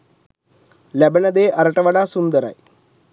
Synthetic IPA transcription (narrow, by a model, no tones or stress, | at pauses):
lebɐnɐd̪eːʔɐɾɐʈɐʋɐɽaːsund̪ɐɾɐ̰j